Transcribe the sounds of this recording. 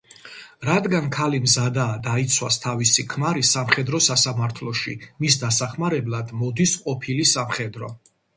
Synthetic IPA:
ɾad̪ɡankʰalimzad̪aːd̪ait̪sʰwast̪ʰavisikʰmaɾisamχɛd̪ɾɔsasamaɾt̪ʰlˠɔʃḭmis̬d̪asaχmaɾɛblˠad̪mɔd̪isqʼɔpʰilisamχɛd̪ɾɔ̰

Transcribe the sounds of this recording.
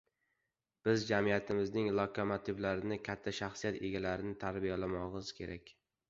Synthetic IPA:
b̥ɪzd͡ʒamijat̪ʰɪmɪznɪŋlˠɒkʰomat̪ʰɪvlaɾɪnɪkʲʰat̪ʰːaʃaχsijat̪eɡʲalaɾɪnɪt̪ʰaɾbijalamɒʁɪz̥kʲʰe̞ɾʔakʲ

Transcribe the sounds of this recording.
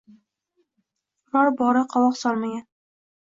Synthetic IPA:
ɾɒɾbɒɾaqʰɒwɒqsɒlˠmaɡʲan

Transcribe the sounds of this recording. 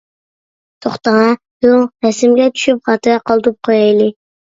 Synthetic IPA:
t̪ʰoχt̪ɑʁɑ | bohɛsɪmɡʲɛt͡ʃʰy̥ʃyp̚χɑt̪ʰɨjɑqʰɑlˠt̪ɾup̚qʰojɑjlˠɪ

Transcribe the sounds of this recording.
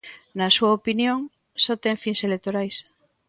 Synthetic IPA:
nɐsuɐopinjoŋ | sot̪eŋfiŋselekt̪oɾajs

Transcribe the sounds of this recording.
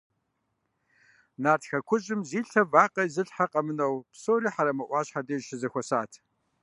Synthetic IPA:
naːrtxɐkʷʰʊɕʼɪmziːɬɐvaːqʼɐjzɨɬħaqʼɐmɨnɐwpsoːɾiːħaɾɐmɐʔʷɑːɕħadɐʃɪzɐxʷɔsaːtʰ

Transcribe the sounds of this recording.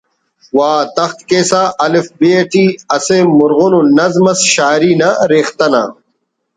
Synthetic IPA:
waːt̪ɐxt̪keːsaːʔɐlefbeːʈiːɐsemuɾɣononɐzmɐsɕaːɾiːnɐɾeːxt̪ɐna̰ː

